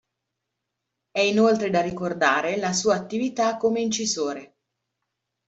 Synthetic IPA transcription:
ɛinolt̪ɾed̪arikord̪aːɾelas̬uːaːt̪ːivit̪akːomeint͡ʃizoːɾe

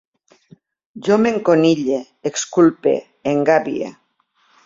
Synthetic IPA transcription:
ʒomeŋkoniʎe | ekskulpḛ | eŋɡaβiḛ

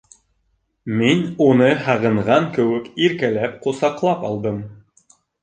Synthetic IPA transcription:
minunɤhæʁɤ̆ɴʁɑŋkɘ̆wɘkiɾkælæpqusɑqlˠɑpɒlˠd̪ɤm

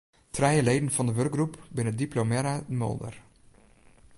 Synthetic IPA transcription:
trɛjəlejdn̩fɑndəʋørk̚ɡrupbɪnədiplomɛɾadəmɔ̰lˠdə̰r

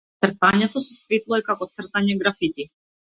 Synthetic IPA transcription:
t̪sr̩t̪aɲɛt̪ɔsɔsvit̪lˠɔɛkakɔt̪sr̩t̪aɲɛɡɾafit̪i

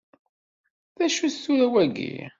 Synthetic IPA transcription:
θæʃusʊɾæwæɡḭ

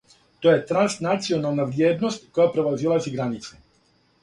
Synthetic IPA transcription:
t̪ojɛt̪ɾansnat̪t͡sionaːlˠnaʋɾjɛd̪nɔsckojapɾɛʋazilˠasiɡɾanit̪t͡s̪ɛ

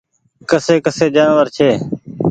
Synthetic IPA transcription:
kəseːkəseːd͡ʒaːnʋəɾt͡ʃʰeː

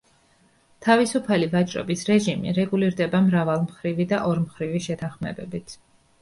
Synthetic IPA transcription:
t̪ʰavisupʰalivat͡ʃʼɾɔ̰bisɾɛʒimḭɾɛɡuliɾd̪ɛbamɾavalˠmχɾivid̪aʔɔɾmχɾiviʃɛt̪ʰanχmɛ̰bɛbit̪ʰ

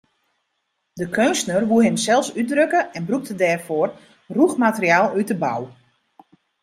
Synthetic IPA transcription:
dəkʰønsnərʋuəɦɪmsɛlˠsydrøkəɛnbruk̚tədɛːrfoːr | ruxmatəriaːlˠytdəba̰w

